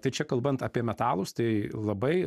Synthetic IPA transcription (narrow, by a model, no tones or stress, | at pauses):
t̪ɐɪt͡ʃʲɛkɐlˠbɐnt̪ɐːpʲiɛmʲɛt̪ɑːlˠʊst̪ɐɪlˠɐbɐɪ